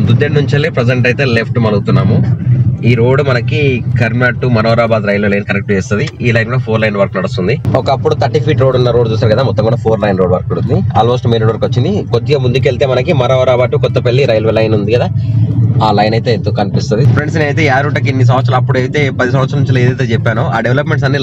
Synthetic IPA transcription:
d̪ud̪ːennuɲt͡ʃɐlipɾed͡ʒeɳʈɐjt̪e̞ːlepʰʈmɐluɡut̪unːaːmuiːɾo̞ːɖmɐnɐkikɐɾmnaːʈːumɐɾoːɾaːbaːd̪ɾɐjlʋelɐjnkɐɾek̚ʈʋeːst̪und̪iiːlɐjnɡuɽaːpʰoːɾlɐjnʋɐɾknɐɽust̪und̪iɔkɐpːuɽut̪ʰɐʈːipʰiːʈɾoːɖunːɐɾoːɖt͡ʃuːsaːɾkɐd̪aːmɔt̪ːɐmŋɡuːɽaːpʰoːɾlɐjnɾo̞ːɖʋɐɾkuɽund̪iaːlmo̞ːsʈmenuɽɐɾkot͡ʃːind̪ikot̪ːiɡɐmund̪ukelt̪e̞ːmɐnɐkimɐɾoːɾaːbaːd̪ukɔt̪ːɐpelːiɾɐjlʋelɐjnund̪ikɐd̪aːaːlɐjnɐjt̪e̞ːnt̪oːkɐnipist̪und̪ipʰɾe̞ɳɖsneɐjt̪̬e̞ːaːɾuɳʈɐk̬inːis̬ɐmɐt̪s̬ɾɐlɐpːuɽejit̪e̞ːpɐd̪is̬ɐmɐt̪sɾɐnuɲt͡ʃilɐeːd̪ɐjt̪eːt͡ʃɛpːaːnuaːɖeʋlɐpme̞ɳʈsɐnːi

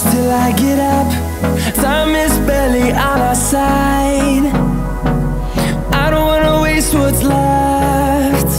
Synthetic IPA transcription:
stɪlˠaɪɡɛɾʌp | sãmɪsbɛlˠiʔənəsaɪd | ʔaɪɾõʊ̃n̚wɑnəweɪst̚wʌtsla | t

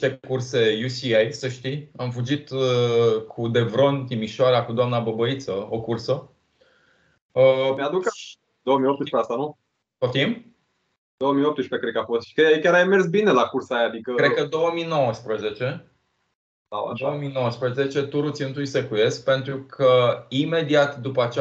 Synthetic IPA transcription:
t̪e̞kurse̞jusiajsəʃt̪iamfud͡ʒit̪ | kʰud̪e̞vɾo̞nt̪imiʃoaɾakud̪oamnabəbəit̪səo̞kursə | əmead̪uk | d̪owomijopt̪upɾeast̪anu | t̪ot̪im | d̪̥owəmijopt̪ɨʃpɾekɾet̪kafost̪ʃi̥kekʲaɾajmersbinelakursajad̪ikəkɾed̪̚kəd̪o̞wəmino̞wəspɾəze̞t͡ʃe̞ | a̰d̪oəmino̞wəspɾəze̞t͡ʃe̞t̪uɾut̪sʲiɨnt̪ujsekuje̞skpe̞nt̪ɾukʰəime̞d̪iat̪d̪upəat͡ʃe

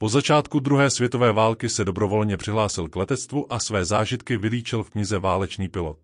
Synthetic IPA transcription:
po̞zat͡ʃaːt̪kud̪ɾuɦɛːsvjɛt̪o̞vɛːvaːlkɪsɛdo̞bɾo̞vo̞lɲɛpr̥ɪɦlaːsɪlklɛt̪ɛt͡st̪vuʔasvɛːzaːʒɪt̪kɪvɪliːt͡ʃɪlfkɲɪzɛvaːlɛt͡ʃniːpɪlo̞t̪

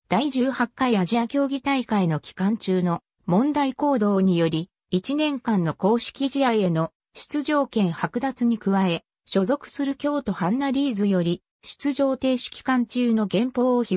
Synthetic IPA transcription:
d̪̥aiʑɨːhakːaiβaʑiakʲo̞ːɡʲit̪aikaino̞kʲi̥kãɲt͡ɕɨːno̞ | mõ̞nd̪aiko̞ːd̪o̞ːɲ̟ijo̞ɾʲi | it͡ɕinẽ̞ŋkãnːo̞ko̞ːɕi̥kʲiʑiaie̞no̞ | ɕi̥t͡sɨʑo̞ːkẽ̞ɰ̃hakɯ̟d̪at͡sɨɲ̟ikɯ̟βae̞ | ɕo̞zo̞kɯ̟̥sɨɾɯ̟kʲo̞ːt̪o̞hãnːaɾʲiːzɨjo̞ɾʲi | ɕi̥t͡sɨʑo̞ːt̪e̞ːɕi̥kʲi̥kãɲ̟t͡ɕɨːno̞ɡẽ̞mpo̞ːçi

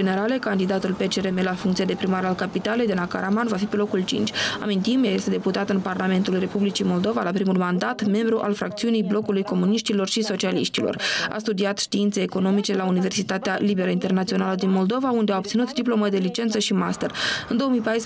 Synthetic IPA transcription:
ene̞ɾale̞kand̪id̪at̪ulpet͡ʃeɾemelafuŋkt̪siad̪e̞pɾimaɾalkapit̪ale̞jd̪enaka̰ɾamanvafipe̞lo̞kult͡ʃḭnt͡ʃʲa̰mint̪imjaje̞st̪e̞d̪e̞put̪at̪ɨnparlame̞nt̪ulre̞publit͡ʃimo̞ld̪o̞valapɾimulmand̪at̪me̞mbɾuʔalfɾakt̪siunijblo̞kulujko̞muniʃt̪ilo̞rʃiso̞t͡ʃialḭʃt̪ilo̞̰ra̰st̪ud̪iat̪ʃt̪iint̪se̞ːko̞no̞mit͡ʃe̞launive̞rsit̪at̪ealibe̞ɾəint̪e̞rnat̪sio̞naləd̪inmo̞ld̪o̞vaund̪eaop̚t̪sinut̪d̪iplo̞məd̪e̞lit͡ʃe̞nt̪səʃimast̪erɨnd̪o̞omijpajs

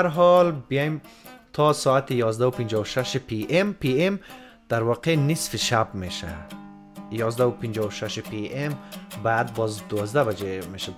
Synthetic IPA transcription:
aɾɦɔlbijaimt̪ʰɔsɔat̪ijɔzd̪aupind͡ʒɔuʃaʃipʰiʔempiem | d̪̥aɾvɔqʰenisfiʃabmeʃa̰d̪ | jɔzd̪aupʰind͡ʒɔuʃaʃipʰiembad̪̚bɔzd̪uvɔzd̪abad͡ʒemeʃad̪

